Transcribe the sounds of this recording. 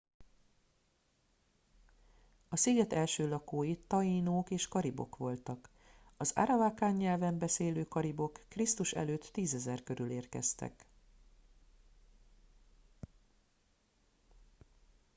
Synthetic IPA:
ɒsiɡɛt̪ɛlʃøːlɒkoːjit̪ːɒjiːnoːkeːʃkɒɾibo̞̰kʋo̞lt̪ɒk | ɒza̰ɾɒvaːkaːɲːɛlvɛmbɛseːløːkɒɾibo̞kːrist̪uʃɛ̰løːt̪ːiːzɛzɛrkø̞ɾyleːrkɛ̰st̪ɛ̰k

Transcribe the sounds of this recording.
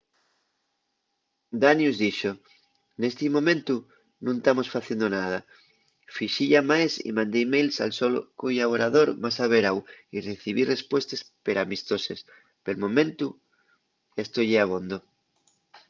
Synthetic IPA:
d̪anjuzðiʃo | nest̪imõmẽnt̪u | nũnt̪amosfaθjend̪onað̞a | fiʃiʎamajsḭmãnd̪emejlsa̰lsolo̰kojaβoɾaðoɾmasaβ̞eɾawireθiβ̞irespwe̞st̪espeɾamist̪o̞ses | pelmõ̞mẽnt̪u | est̪ojeaβ̞ond̪o

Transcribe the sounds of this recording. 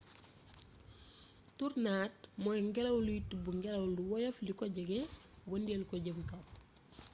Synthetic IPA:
turnaːt̚mɔjŋɡɛlɐwlutbuŋɡɛlɐwluwɔjɐflikɔɟəɡɛ | wɐndielkɔɟəmkam

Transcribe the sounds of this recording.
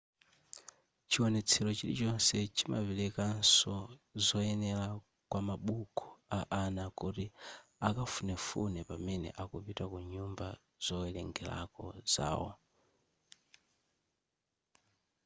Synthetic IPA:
t͡ʃʰiwɔnɛt͡sʰɛɾɔt͡ʃilḭt͡ʃɔnsɛt͡ʃʰima̰pilɛkansɔzɔjɛnɛla | kwamaɓukʰɔ̥aʔanakutiakafunɛfunɛpamɛnɛ̰ʔakupitakuɲumba | z̥ɔɛlɛŋɡɛla̰kɔ̰z̥a̰ːwɔ̰

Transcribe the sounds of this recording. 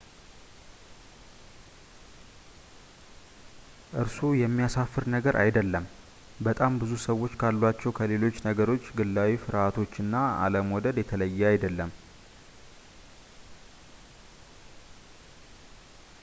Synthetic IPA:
ʔɨɾsujɛmːijasafːɨɾnəɡəɾʔa̰jd̪əlːəm | bət̪ʼambɨzusəwːo̞t͡ʃːkʰalːwat͡ʃːɛwkʰəle̞lo̞t͡ʃːnəɡəɾo̞t͡ʃːɡɨlːawifɨɾat̪ʰo̞t͡ʃːɨnːaa̰ləmwɔd̪əd̪jɛt̪ʰələjːɛajd̪əlːəm

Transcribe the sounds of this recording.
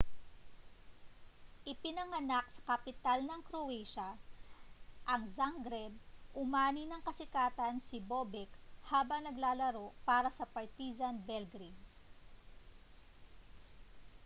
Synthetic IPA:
ʔɪpɪnɐŋɐnak̚sɐ̥kɐpɪt̪alnɐŋkɾowɛjʃɐ | ʔɐŋzaŋɡɾɛb̚ʔʊmaːnɪnɐŋkɐsɪkaːt̪ɐnsɪboːbɛkhaːbɐŋnɐɡlaːlɐɾo̞ʔpaːɾɐsɐpɐɹt̪iːzɐnbɛlɡɾiŋ

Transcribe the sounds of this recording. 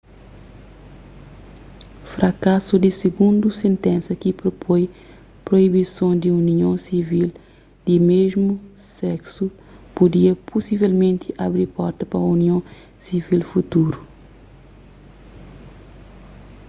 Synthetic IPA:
fɾɐkasud̪isiɡũnd̪usẽnt̪ɛ̃nsɐkipɾopʰoj | pɾoibisõd̪iuniõsivil | d̪̥imeʒmu | sɛksu | pud̪iɐpʰusivɛlmẽnt̪iʔabɾiɾpɔɾt̪ɐpɐuniõ | sivilfut̪uɾu

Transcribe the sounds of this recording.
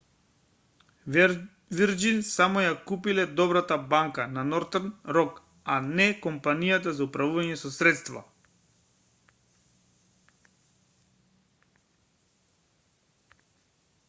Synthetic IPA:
viɾd͡ʒinsamɔjakupilɛd̪ɔbɾat̪abaŋkananɔɾt̪ɛɾnɾɔk | anɛkɔmpanijat̪azaupɾavuvaɲɛsɔsɾɛt̪st̪va̰

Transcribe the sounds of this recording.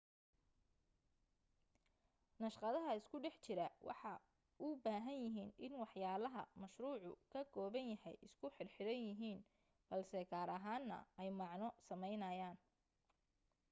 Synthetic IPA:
nɐʃqɑðɐɦɐɪskʰʊɖɛħt͡ʃɪɾɐwʔɑ̰ħɑ | ʔʊbaːɦɐnjɪɦiːnɪnwɑħjaːlɐɦɐ̰mɐʃruːʕʊ̰kʰɐɡɔːβɐnjɐɦɛ̰jʔɪ̰skʰʊħɪrħɪɾɐnjɪɦiːn | b̥ɐlsɛkʰaːɾɐɦaːnːɐ̰ɛjmɑʕnɔsɐmɛjnɐjaːn

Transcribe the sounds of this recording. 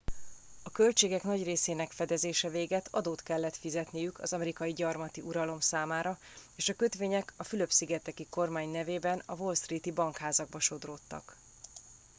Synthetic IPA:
ɒkø̞lt͡ʃeːɡɛknɒɟreːseːnɛkfɛd̪ɛzeːʃɛveːɡɛt̪ʰɒd̪oːt̪kɛlːɛt̪fizɛt̪nijykɒzɒmɛɾikɒjiɟɒrmɒt̪iʔuɾɒlo̞msaːmaːɾɒ | eːʃɒkø̞t̪ʋeːɲɛkɒfylø̞psiɡɛt̪ɛkiko̞rmaːɲnɛveːbɛnɒvo̞lst̪rit̪ibɒŋkhaːzɒɡ̚bɒʃo̞d̪rot̪ːɒ̰k

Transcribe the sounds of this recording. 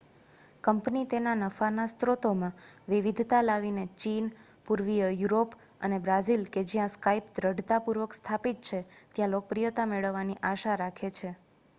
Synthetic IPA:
kəmpnit̪enanəfanast̪ɾot̪omãʋiʋid̪ʱt̪alaʋinet͡ʃin | puɾʋijəjuɾop | ənebɾazilked͡ʒijãskaipd̪ɾəɖʱt̪apuɾʋəkst̪ʰapit̪̚t͡ʃʰet̪jãlok̚pɾijət̪ameɭəʋːaniʔaʃaɾakʰet͡ʃʰe

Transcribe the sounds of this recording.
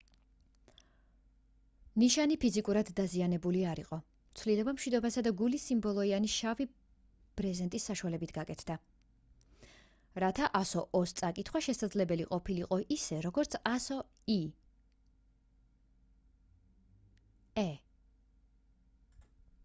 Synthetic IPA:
niʃanipʰizikʼuɾad̪ːazianɛbuliaɾiqʼɔ | t̪sʰvlilɔbamʃwid̪ɔbasad̪aɡulisimbɔlˠɔianiʃavi | b̥ɾɛzɛnt̪ʼisːaʃuwalɛbit̪ʰɡakʼɛt̪ʰd̪̥a | ɾat̪ʰaʔasɔʔɔst̪sʼakʼit̪ʰχwaʃɛsad̪zlɛbɛliqʼɔpʰiliqʼɔʔisɛɾɔɡɔɾt̪sʰasɔ | i | ɛ

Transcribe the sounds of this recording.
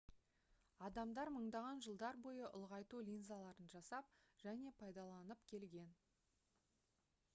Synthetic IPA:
ɑd̪ɑmd̪ɑɾməɴd̪ɑʁɑnʒəlˠd̪ɑɾbo̞jəʔʊ̰lˠʁɑjt̪ulʲinzalˠɑɾənʒɑsɑp̚ʒ̥æne̞pʰɑjd̪ɑlˠɑnəpkʲʰe̞lɡʲe̞n

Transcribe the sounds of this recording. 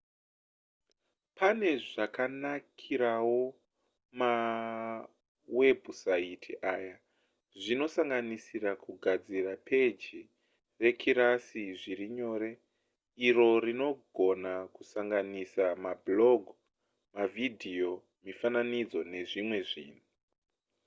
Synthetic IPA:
pʰane̞ʐakanakʰiɾawo̞ | ma | we̞busaitʰiʔaːja | ʐino̞saŋɡanisirakuɡʱad͡zirapʰe̞d͡ʒi | re̞kʰiɾasiʐiɾiɲo̞ːɾe̞ | iɾo̞rino̞ɡʱo̞nakusaŋɡanisamablo̞ɡʱ | mavidʱijo̞ | mifananid͡zo̞ne̞ʐimwe̞ʐḭːnu

